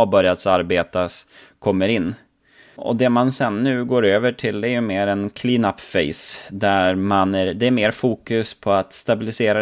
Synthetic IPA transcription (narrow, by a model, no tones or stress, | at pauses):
abœɾjat̪saɾbeːt̪askʰɔmːəɾɪnː | ɔ̰d̪ɛmansɛnːʉ̟ːɡoːɾøːvəʈʰɪld̪ɛæɾjɵmeːɾɛnkʰliːnapfɛɪsd̪æɾmanæɾd̪ɛæɾmeːɾfuːkɵspʰɔat̪st̪abɪlɪseːɾa